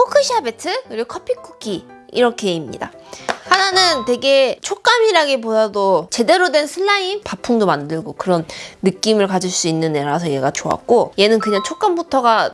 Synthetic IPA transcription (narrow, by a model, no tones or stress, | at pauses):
pʰokʰɯɕʰiabe̞tʰɯkɯɾiɡokʰʌpʰik͈ʰu̥kʰi | ḭɾʌkʰe̞imɲḭda̰ | hananɯntwe̞ɡe̞t͡ɕʰok͈amiɾaɡep̬odadot͡ɕe̞de̞ɾodwe̞nsʰɯɭːainpapʰuŋdomandɯɭɡokɯɾʌnːɯk͈imɯɭkad͡ʑuɭs͈uinːɯne̞ɾasʰʌje̞ɡat͡ɕoa̰k̚k͈oje̞nɯnkɯɲaŋt͡ɕʰok͈ambutʰʌɡa